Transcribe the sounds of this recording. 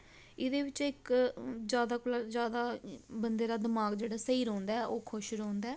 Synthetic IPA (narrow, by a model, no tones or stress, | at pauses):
ɪd̪eːʋɪt͡ʃɪkd͡ʒjaːd̪aːkʊlad͡ʒjaːd̪aːbənd̪eːɾaːd̪ɪmaːɡd͡ʒeːɽaːsəiːɾɔ̃ːnd̪aːɛʔoːkʰʊʃɾɔ̃ːnd̪aː